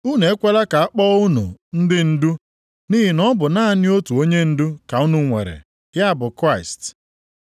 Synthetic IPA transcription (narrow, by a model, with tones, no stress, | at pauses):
u˦ne˨e˦kʷe˦la˦ka˨a˦k͡pɔ˦ʊ˦nṵ˨n̩˦dɪ˦n̩˦du˦ | ni˦ɦi˨nɔ˦bʊ˨na˦nɪ˦o˦tu˨o˦ɲe˦n̩˦du˦ka˨u˦nu˦ŋʷḛ˨ɾḛ˨ | ja˦˨bʊ˨kɾa˦˨ɪ˨st